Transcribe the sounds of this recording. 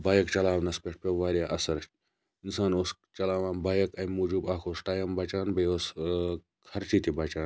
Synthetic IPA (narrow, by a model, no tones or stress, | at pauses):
baːjɐkt͡ʃɐlaːʋnɐspeʈ̚pʲeʋaːɾijaʔɐsɐɾ | insaːnos | t͡ʃɐlaːʋãːnbaːjɐkɐjmuːd͡ʒubaːkʰoːsʈaːjɐmbɐt͡ʃaːnbɐjos | kʰɐɾt͡ʃit̪ibɐt͡ʃaːn